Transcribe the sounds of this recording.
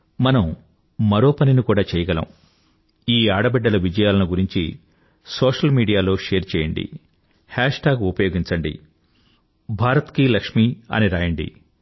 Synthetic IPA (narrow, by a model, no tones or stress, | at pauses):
mɐnɐm | mɐɾo̞ːpɐninikuːɽaːt͡ʃɛːjɐɡɐlɐ̰m | iːaːɽɐbɛɖːɐlɐʋid͡ʒɐjaːlɐnuɡuɾiɲt͡ʃḭ | soːʂɐlmiːɽijaːlo̞ːʂeːɾt͡ʃɛːjɐɳɖḭ | haːʂʈaːɡupɐjoːɡiɲt͡ʃɐɳɖḭ | bʱaːɾɐt̪kilɐkʂmiːɐ̰niɾaːjɐɳɖḭ